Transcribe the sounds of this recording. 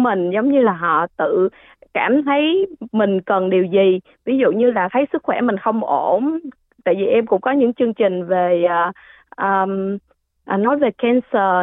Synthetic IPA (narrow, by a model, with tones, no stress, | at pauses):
mï˨˩ŋ̟zə˨˦wŋ͡mɲɨ˧laː˨˩ɦɔ̰˧˨t̪ɨ̰˧˨ | kaː˧˩mt̪ʰə˨˦jmï˨˩ŋ̟kə˨˩nɗi˨˩əwzi˨˩ | vi˨˦zṵ˧˨ɲɨ˧laː˨˩t̪ʰə˨˦jsɨ˦˥k̚xwɛ̰˧˩mï˨˩ŋ̟xə˧wŋ͡mʔo˧˩m | t̪a̰ː˧˨jvi˨˩ʔɛ˧mkʊ̰˧˥ŋ͡mkɔ˨˦ɲɨ̰˧˥ŋt͡ɕɨ˧əŋt͡ɕï˨˩ŋ̟ve˨˩ʔː | ʔəː˨˩ | ʔnɔ˨˦jve˨˩kɛ˧nsəː˧˨˩